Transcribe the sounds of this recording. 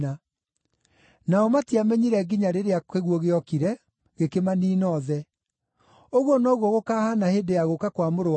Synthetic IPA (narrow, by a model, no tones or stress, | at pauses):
a | naɔmatiamɛɲiɾɛɡiɲaɾeɾeaeɣwɔɣeɔkiɾɛ | ɣekemaniːnɔðɛ | oɣwɔnɔɣwɔɣokaːhanaheːdejaɣokakwamoɾo